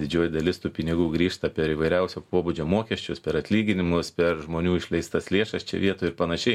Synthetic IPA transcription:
d̪ʲɪd͡ʒʲoːjd̪ɐlʲɪst̪uːpʲɪnʲɪɡuːɡɾʲiːʃt̪ɐpʲɛɾiːʋɐɪɾʲɛʊsʲoːpoːbud͡ʒʲoːmoːkʲɛsʲt͡ʃʲʊspʲɛɾɐt̪ʲlʲiːɡʲɪnʲɪmʊspʲɛɾʒmoːnʲuːɪʃʲlʲɛɪst̪ɐslʲeːʃɐst͡ʃʲɛ̰ʋʲiɛt̪oːjʊɪɾpɐnɐʃʲɛɪ

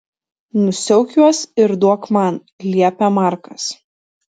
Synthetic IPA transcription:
nʊsʲɛʊkʲuɔsɪɾd̪uɔkmɑn | lʲiɛpʲɛmɑˑɾkɐs

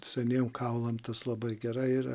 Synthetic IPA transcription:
sʲɛnʲeɛmkʰɐʊlˠɐmt̪ɐslˠɐbɐɪɡʲɛɾɐɪiɾɐ

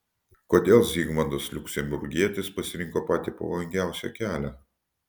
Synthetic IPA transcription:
koːd̪ʲeːlˠzʲiːɡmɐnd̪oslʲʊkʲsʲɛmʲbʲʊɾʲɡʲiɛt̪ʲɪspɐsʲɪɾʲɪŋˑkoːpɑːt̪ʲiːpɐ̰ʋɐlʲˠɪŋʲɡʲæˑʊsʲɛ̰kʲæːlʲæ

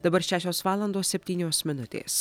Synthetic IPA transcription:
d̪̥ɐbɐɾʃʲæːʃʲoːsʋɑːlˠɐnd̪oːsʲsʲɛpʲt̪ʲiːnʲoːsmʲɪnʊt̪ʲḛːs

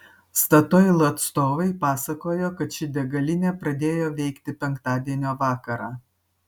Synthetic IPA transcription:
st̪ɐt̪ojlˠɐɐt̪st̪oːʋɐɪpɑːsɐkoːjoːkɐt̪ʃʲɪd̪ʲɛɡɐlʲɪnʲepɾɐd̪ʲeːjoːʋʲɛɪkt̪ʲɪpʲɛŋˑkt̪ɑːd̪ʲiɛnʲoːʋɑːkɐɾɑː

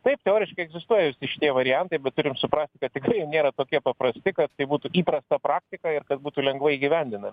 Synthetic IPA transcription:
t̪ɐɪp̚t̪ʲɛoːɾʲɪʃkɐɪɛɡzʲɪst̪uɔjɛʋʲɪsʲɪʃʲɪt̪ʲiɛʋɐɾʲɪjɛnt̪ɐɪbʲɛt̪t̪ʊɾʲɪmsʊpɾɑːsʲt̪ʲɪkɐt̪ʲtʲɪkɾɐɪjɛʊnʲeːɾɐt̪oːkʲiɛpɐpɾɐsʲt̪ʲɪkɐt̪t̪ɐɪbuːt̪uʔiːpɾɐst̪ɐpɾɑːkt̪ʲɪkɐɪrkɐt̪̚buːt̪uːlʲɛŋɡʋɐiːɡʲɪʋʲɛnʲd̪ʲɪnɐmʲɪ

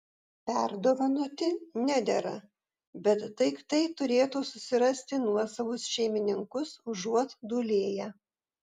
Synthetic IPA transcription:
pʲæˑɾd̪oːʋɐnuːt̪ʲɪnʲæd̪ʲɛɾɐ̰ | bʲɛt̪ːɐɪkt̪ɐɪt̪ʊɾʲeːt̪uːsʊsʲɪɾɐsʲt̪ʲɪnuɔsɐʋʊsʃʲɛɪmʲɪnʲɪŋkʊsʊʒuɔt̪d̪uːlʲeːjæ

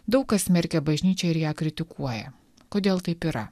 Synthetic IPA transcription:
d̪ɐʊkɐsmʲɛɾʲkʲɛbɐʒʲnʲiːt͡ʃʲɛɪɾjæːkɾʲɪt̪ʲɪkʰuɔjɛ̰ | koːd̪ʲeːlˠt̪ɐɪpiːɾɐ

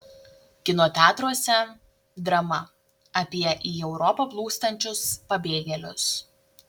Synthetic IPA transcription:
kʲɪnoːt̪ʲæːt̪ɾuɔsʲɛ | d̪ɾɐmɐ | ɐpʲiɛʔiːɛʊɾɔpɐplˠuːst̪ɐnʲt͡ʃʲʊspɐbʲeːɡʲɛlʲʊs

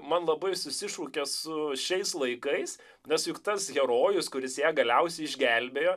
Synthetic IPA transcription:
mɐnlˠɐbɐɪsʊsʲɪʃuːkʲɛsʊʃʲɛɪslˠɐɪkɐɪs | nʲɛsjʊkt̪ɐsɣʲɛɾoːjʊskʊɾʲɪsjæːɡɐlʲɛʊsʲɛɪɪʒʲɡʲælʲbʲeːjoː

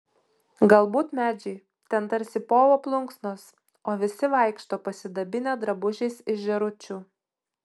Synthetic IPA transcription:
ɡɐlˠbuːt̪mʲæːd͡ʒʲɛɪ | t̪ʲɛnt̪ɐɾʲsʲɪpoːʋoːplˠʊŋksnoːs | oːʋʲɪsʲɪʋɐˑɪkʃt̪oːpɐsʲɪd̪ɐbʲɪnʲed̪ɾɐbʊʒʲɛɪsɪʃʒʲɛɾʊt͡ʃʲuː

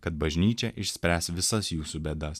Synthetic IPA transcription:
kɐt̪̚bɐʒʲnʲiːt͡ʃʲɛʔɪʃʲsʲpʲɾʲæsʋʲɪsɐsjuːsubʲɛd̪ɐs

